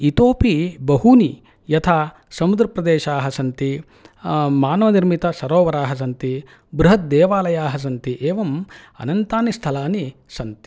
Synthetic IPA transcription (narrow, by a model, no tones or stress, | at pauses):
it̪oːpibɐɦuni | jɐt̪ʰaː | sɐmud̪ɾɐpɾɐd̪eːʃaːɦɐsɐnt̪i | maːnɐʋɐniɾmit̪ɐsɐɾoːʋɐɾaːɦɐs̬ɐnt̪i | bɾuɦɐt̪̚d̪eːʋaːlɐjaːɦɐs̬ɐnt̪iʔeːʋɐmɐ̰nɐnt̪aːnist̪ʰɐlaːnisɐnt̪i̥